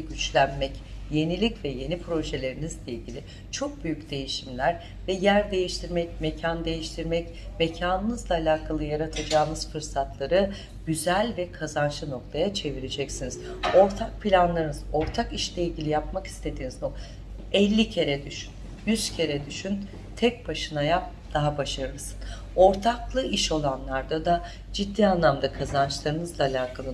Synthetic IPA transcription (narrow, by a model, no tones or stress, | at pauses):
ɟyt͡ʃlʲænmɛc | je̞nilʲicvɛje̞nipʰɾo̞ʒelʲe̞ɾinizlʲe̞jilʲɟʲilʲi | t͡ʃʰo̞k̚byjycd̪e̞jiʃimlʲæɾ | vɛjæɾd̪e̞jiʃt̪ʰiɾmɛcme̞cʰand̪e̞jiʃt̪ʰiɾmɛc | me̞cʰaːnɯnɯzlˠaːlʲaːkʰalˠɯjaɾat̪ʰad͡ʒaːnɯz̥fɯɾsat̪ʰlˠaɾɯ | ɟ̥yzælʲvɛkʰazanʃɯno̞k̚t̪ʰajat͡ʃʰe̞viɾed͡ʒɛcsiniz̥o̞ɾt̪ʰak̚pʰilʲanlˠaɾɯnɯzo̞ɾt̪ʰakiʃlʲɛilʲɟʲilʲijap̚maki̥st̪ʰe̞d̪iːnizno | ɛlʲːicʰe̞ɾɛd̪yʃyn | jyz̥cʰe̞ɾɛd̪yʃyn | t̪ʰɛc̚baʃɯnajap̚d̪̥aɦabaʃaɾɯɾsɯ̥n | o̞ɾt̪ʰaklˠɯiʃo̞lˠanlˠaɾd̪ad̪a | d͡ʒid̪ːiːanlˠamd̪akʰazant͡ʃlˠaɾɯnɯzlˠaːlʲaːkʰalˠɯ